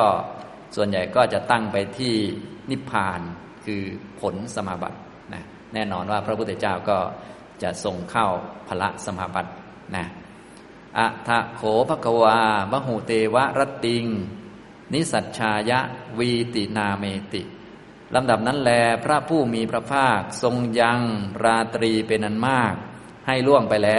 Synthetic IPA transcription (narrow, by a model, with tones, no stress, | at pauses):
kɔː˥˩ | su˨˩ənja˨˩jkɔː˥˩t͡ɕa˨˩t̪a˥˩ŋpa˧jt̪ʰiː˥˩ni˦˥pʰaː˧n | kʰɯː˧pʰo˩˦nsa˧maː˧ba̰˨˩t̪̚ | na̰˦˥ | nɛː˥˩nɔː˧nwaː˥˩pʰɾa˦pʰu˥˩t̪ʰt͡ɕaː˥˩wkɔː˥˩ | t͡ɕa˨˩ʔso˧ŋkʰa˥˩wpʰa˧la˦˥ʔsa˧maː˧ba˨˩t̪̚ | na˦˥ | ʔa˨˧˩t̪ʰa˧˩kʰoː˨˩˦pʰa˦˥kʰa˧waː˧ba˦˥ɦu˨˩t̪eː˧wa˦˥ʔɾa˦˥t̪ːi˧ŋ | ni˦˥sa˨˩t̪̚t͡ɕʰaː˧ja˦˥ʔwiː˧t̪i˨˩naː˧meː˧t̪ḭ˨˩ʔ | lʔa˧mda˨˩p̚na˦˥nlɛː˧˩pʰɾa˦˥pʰuː˥˩miː˧pʰɾa˦˥pʰaː˥˩k̚so˧ŋja˧ŋɾaː˧t̪ɾiː˧pe˧nʔa˧nmaː˥˩k̚ | ha˥˩jlu˥˩əŋpa˧jlɛː˦˥